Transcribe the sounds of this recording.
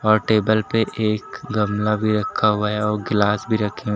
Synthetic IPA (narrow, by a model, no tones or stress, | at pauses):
ɔːɾʈeːbəlpeʔeːkɡɐmlabʱiɾɐkʰːaɦʊaɦɛɔːɾɡɪlaːsbʱiɾɐkʰːeɦ